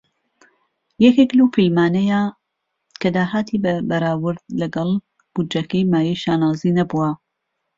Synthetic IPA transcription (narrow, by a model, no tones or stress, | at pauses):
jɐkeklɐwpʰejmaːnɐja | kɐd̪aːɦaːt̪ʰibɐbɐɾaːwɨɾd̪̚lɐɡɑlˠ | b̥ud͡ʒɐkɐjmaːjijʃaːnaːziːnɐbuwɐ